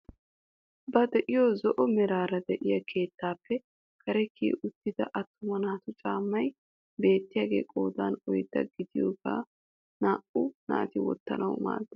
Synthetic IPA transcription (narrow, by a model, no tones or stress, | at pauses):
bɐd̪ɛʔɪjoːzɔʔɔmɛɾaːɾɐd̪ɛʔɪjɐkʰe̞ːt̪ːaːpːɛ | kʰɐɾɛkʰːḭːʔʊt̪ːɪd̪ɐ̰ʔɐt̪ːʊmɐnaːt̪ʊt͡ʃʼaːmːɐj | be̞ːt̪ːɪjaːɡe̞̰ːkʼoːd̪aːnɔjd̪ːɐ̰ɡɪd̪ɪjo̰ːɡa̰ː | naːʔʊna̰ːt̪ɪwɔ̰t̪ːɐ̰nɐwma̰ːd̪ːɛ